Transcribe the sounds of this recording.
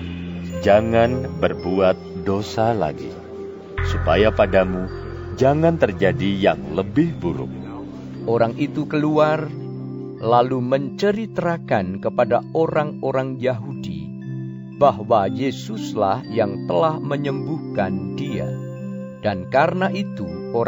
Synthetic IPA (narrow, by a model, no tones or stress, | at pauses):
d͡ʒaŋanbərbuat̪̚dosala̰ɡḭ | supajapadamu | d͡ʒaŋant̪ərd͡ʒadijaŋləbɪhbuɾʊ̰k̚ | ʔoɾaŋʔit̪ukəluar | laluməɲt͡ʃəɾit̪əɾakankəpadaoɾaŋoɾaŋjaɦudḭ | baɦwajesʊslahjaŋt̪əlahməɲəmbuhkandia̰ | d̥ankaɾənaʔit̪u | o